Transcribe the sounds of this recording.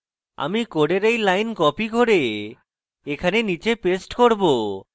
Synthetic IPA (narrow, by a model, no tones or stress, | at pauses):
a̰mikoɽeɾejlajnkɔpiɡʱoɾe | ekʰanenit͡ɕepesʈkoɾbo